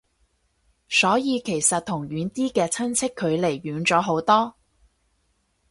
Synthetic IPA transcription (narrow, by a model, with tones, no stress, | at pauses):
sɔː˨˥jiː˨˧kʰe˨˩jsɐ˨t̚t̪ʰʊ˨˩ŋjyː˨˧nt̪iː˥kɛː˧t͡sʰɐ˥nt͡sʰɪ˥kʰːɵ˨˧ɥle˨˩jːyː˨˧˥nt͡sɔː˨˥ɦo˨˥wt̪ɔː˥